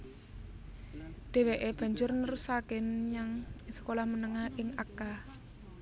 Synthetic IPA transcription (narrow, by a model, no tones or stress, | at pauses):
d̪̥e̤weʔeb̥ä̤ɲd͡ʒʊrnəɾusakɪnɲaŋsə̥kolahmənəŋahʔɪŋaka